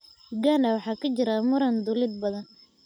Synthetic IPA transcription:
ɡanɐwɑħɑːkʰɐt͡ʃɪɾɐmʊɾɐnd̪ʊlɪd̪̚bɐðɐn

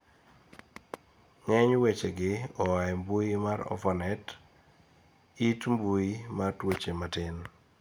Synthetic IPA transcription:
ŋɛɲwet͡ʃeɡɪɔaɛmbuimaɾɔ̰fɔnɛt | itmbuimartwot͡ʃematɪn

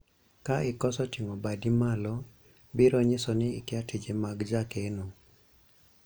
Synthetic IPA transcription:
kaɪkɔsɔtiŋɔbadimalɔ | biɾɔɲɪsɔnɪ̰ːkɪatʰid͡ʒemaɡd͡ʒakeno

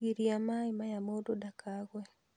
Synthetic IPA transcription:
iɾiamaɪmajamododakaɣwɛ

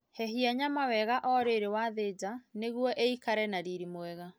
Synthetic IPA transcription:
hɛɦiaɲamawɛɣaʔɔɾeɾewaːðed͡ʑaneɣwɔʔeikaɾɛnaɾiɾimoɛɣa

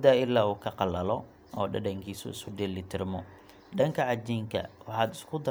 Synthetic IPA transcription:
d̪aːɪlːaːuːkʰɐqɑlɐlɔ | ɔːɖɐɖɐŋkʰiːsʊ̰ɪ̰skʰʊdɛlɪt̪ʰɪrmɔ | ɖɐŋkʰɐʕɑd͡ʒiːŋkʰɐ̰wɑħɑːd̪ɪ̥skʰʊd̪ɐ

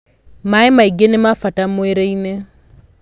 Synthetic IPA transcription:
maemaiɡenemafatamoeɾeine

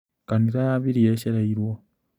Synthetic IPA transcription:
kaniɾaaβiɾijeʃeɾaiɾwo

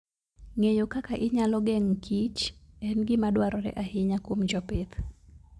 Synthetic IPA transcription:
ŋejokakaʔɪɲalɔɡɛŋkʰit͡ʃɛnɡɪmadwaɾɔɾɛ̰ʔahɪɲakwomd͡ʒɔpet̪

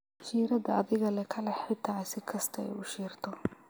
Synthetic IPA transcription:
ʃiːɾɐd̪ɐɐðɪɣɐlɛkʰɐlɛħɪt̪ʰasɪkʰɐst̪ʰɐɛ̰jʊʃiːrt̪ʰɔ

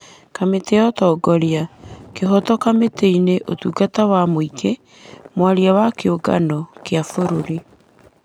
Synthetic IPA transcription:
kameteɔtɔːɡɔɾiakeɦɔtɔkameteineʔotuːɡatawamoikʰe | mwaɾiawakeoɡa̰nɔkeafoɾoɾi

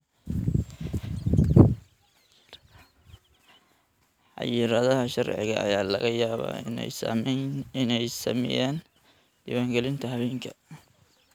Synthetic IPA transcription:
ħɑ̰jɪɾɐðɐɦɐʃɐrʕɪ̰ɣɐɐ̰jaːlɐ̰ɣɐjaːβa̰ːnɛ̰smɪnɛjsɐ̰mɛ̰jaːn | d̪̥iwaːŋɡɛlɪnt̪ʰɐɦɐβɛːŋkʰɐ

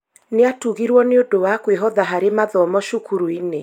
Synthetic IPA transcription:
neatuɣiɾwɔneodowakweɦɔðaɦaɾemaðɔmɔʃukuɾuine

